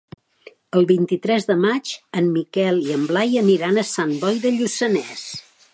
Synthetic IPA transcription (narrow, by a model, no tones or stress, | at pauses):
əlˠβint̪it̪ɾɛzðəmat͡ʃəmmikɛlˠiəmblajəniɾanəsambɔjðəʎusənɛs